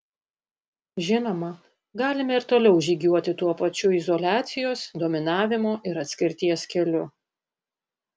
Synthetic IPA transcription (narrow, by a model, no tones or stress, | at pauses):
ʒʲɪnoːmɐ | ɡɑːlʲɪmɛɪɾt̪oːlʲɛʊʒʲiɡʲuɔt̪ʲɪt̪uɔpɐt͡ʃʲʊɪzɔlʲæːt̪sʲɪjoːsd̪oːmʲɪnɑːʋʲɪmoːʔɪɾɐt̪ʲsʲkʲɪɾʲt̪ʲiɛskʲɛlʲʊ